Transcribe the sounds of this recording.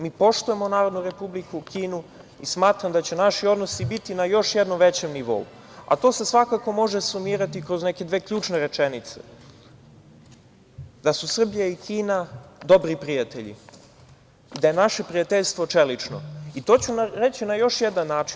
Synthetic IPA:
miːpo̞ʃt̪uje̞mo̞naːɾo̞d̪nuɾe̞publikukiːnu | ismaːt̪ɾamd̪at͡ɕenaʃio̞d̪nosibit̪inajo̞ʃjed̪noʋet͡ɕe̞mniʋo̞̰ṵ | a̰t̪o̞se̞sʋakako̞mo̞ʒesumiːɾat̪ikɾo̞zne̞ke̞d̪ʋe̞kʎʲuːt͡ʃne̞ɾe̞t͡ʃenit̪se̞̥̰ | d̪asusr̩bijaikʰiːnad̪o̞bɾipɾijat̪eʎḭ | id̪aje̞naʃe̞pɾijat̪eʎst̪ʋot͡ʃelit͡ʃno̞̰it̪o̞ːt͡ɕunaɾe̞t͡ɕinajo̞ʃjed̪anːaːt͡ʃi̥n

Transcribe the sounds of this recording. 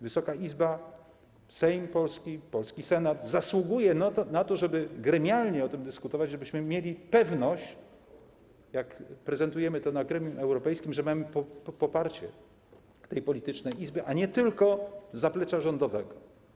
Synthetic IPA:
vɘsɔkaizba | sɛjmpɔlskʲipɔlskʲisɛnad̪zaswuɡujɛnat̪ɔʐɛbɘɡɾɛmʲjalɲɛɔt̪ɘmd̪ɘskut̪ɔvad͡ʑʐɛbɘɕmɘmʲjelʲipɛvnɔɕt͡ɕ | jakpɾɛzɛnt̪ujɛmɘt̪ɔnaɡɾɛmʲjumɛwɾɔpɛjskʲimʐɛmamɘpɔpɔpaɾt͡ɕɛ̰ | t̪ɛjpɔlʲit̪ɘt͡ʂnɛjizbɘʔaɲɛt̪ɘlkɔzaplɛt͡ʂaʐɔnd̪ɔvɛɡɔ

